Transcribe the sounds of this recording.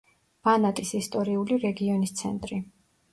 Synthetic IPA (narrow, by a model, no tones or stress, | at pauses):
b̥anat̪ʼisist̪ʼɔɾiuliɾɛɡiɔnist̪sʰɛ̰nt̪ʼɾi